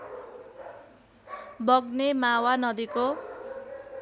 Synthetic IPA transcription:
bʌɡnemawanʌd̪iko

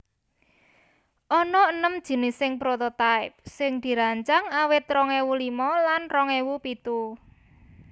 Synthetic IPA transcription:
ʔɔnɔənəmd̥ʒ̥ə̤nɪsɪŋpɾɔt̪ɔt̪aɪp̚sɪŋd̪̥i̤ɾaɲt͡ʃaŋawɪt̪rɔŋewulimɔlanrɔŋɛwupit̪u

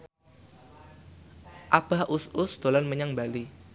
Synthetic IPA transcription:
ʔab̥a̤hʔʊsʊsd̪̥o̤lanməɲaŋbali

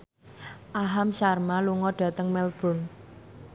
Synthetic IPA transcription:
ʔaɦamʃarmaluŋɔɖ̥ä̤t̪əŋmɛlb̥ɾʊ̤n

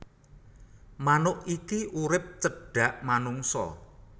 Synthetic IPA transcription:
manʊʔikiʔuɾɪp̚t͡ʃəɖ̥ä̤ʔmanuŋsɔ̰

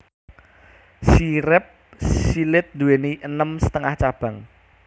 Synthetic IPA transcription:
siɾɪp̚silɪt̪̚d̪uweniʔənəmsə̥t̪əŋaht͡ʃab̥ä̤ŋ

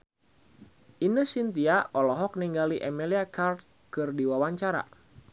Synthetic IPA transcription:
ʔinəsint̪iaʔɔlɔɦɔk̚niŋɡaliʔɛmeliakart̪̚ | kɨrdiwawaɲt͡ʃaɾa̰

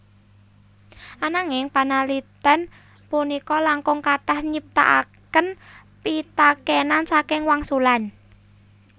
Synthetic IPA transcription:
ʔanaŋɪŋpanalit̪ɛn | punikɔlaŋkʊŋkaʈahɲip̚t̪a̰ʔa̰kən | pit̪akenansakɪŋwaŋsulan

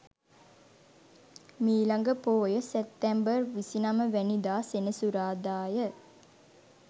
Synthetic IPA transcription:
miːlaŋɡəpoːjəsep̚t̪ɛmbərʋisinaməʋænid̪aːsenəsuɾaːd̪aːjə

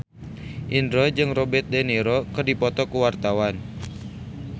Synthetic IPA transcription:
ʔindɾɔd͡ʒɨŋrɔbɛt̪̚deniɾɔkɨrdipɔt̪ɔkuwart̪awan

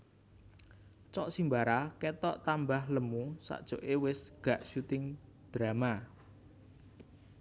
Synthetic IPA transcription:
t͡ʃɔʔsimbaɾaket̪ɔʔt̪ambahləmusa̰ʔd̥ʒ̥o̤ʔewɪsɡ̥ä̤ʔʃut̪ɪŋd̪̥ɾama

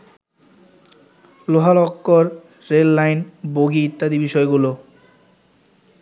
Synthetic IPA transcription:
loɦalɔkːoɾː | elːajnboɡiːt̪ːad̪ibiʃɔeɡulo

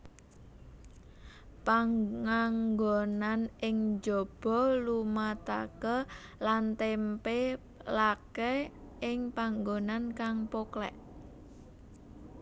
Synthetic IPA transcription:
paŋŋaŋɡonanɪŋd͡ʒob̥ɔ̤lumat̪a̰kəlant̪empe | lakɛɪŋpaŋɡonankaŋpoklɛ̰ʔ

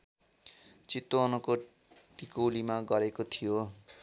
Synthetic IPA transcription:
t͡sit̪ːoːnʌko | ʈikowlimaɡʌɾekot̪ʰijo

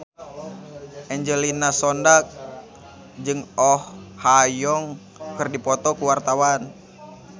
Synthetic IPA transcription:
ʔɛɲd͡ʒəlinasɔndak̚ | d͡ʒɨŋɔhhajɔŋ | kɨrdipɔt̪ɔkuwart̪awan

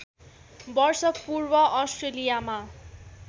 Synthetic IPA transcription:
bʌrsʌkpurbʌʔːsʈrelijama

